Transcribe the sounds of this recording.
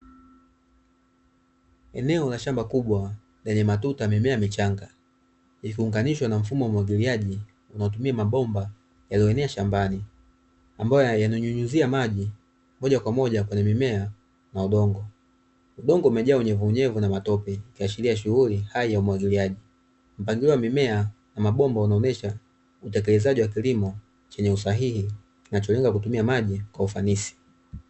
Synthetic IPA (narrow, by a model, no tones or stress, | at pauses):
ɛnɛɔlaʃambakuɓwa | lɛɲɛmatutamimɛamit͡ʃaŋɡa | ikiuŋɡaniʃwanaɱ̩fumɔwaumwaɡiliaʄi | unaɔt̬umiamaɓɔmba | jaliɔɛnɛaʃambani | ambajɔjjanuɲuɲuziamaʄi | mɔɟakwamɔʄakwɛɲɛmimɛa | nauɗɔŋɡɔ | uɗɔŋɡɔumɛʄaːuɲɛvuːɲɛvunamatɔpɛkiat͡ʃiliaʃuɣulihaijaumwaɡiliaʄi | m̩paŋɡilɔwamimɛa | namaɓɔmbaunaɔnɛʃa | utɛkɛlɛzaʄiwakilimɔ | t͡ʃɛɲɛusaɦihi | kinat͡ʃɔlɛŋɡakutumiamaʄikwaufanisi̥